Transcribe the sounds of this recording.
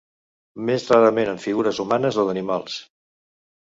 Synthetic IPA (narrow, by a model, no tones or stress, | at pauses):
mezraɾəmenəɱfiɣuɾəzumanəzoðənimalˠs